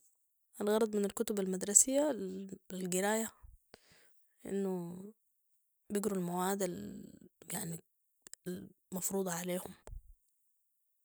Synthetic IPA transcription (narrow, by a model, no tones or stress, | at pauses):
ʔanɣɑɾˤɑd̪ˤmɪnalkʊt̪ʊbalmad̪ɾˤɑsɪjːa | lɡɪɾaːja | ʔɪ̰nːʊ | bɪɡɾulmawaːd̪al | jaʕni | lmɑfɾuːd̪ˤɑʕaleːhʊm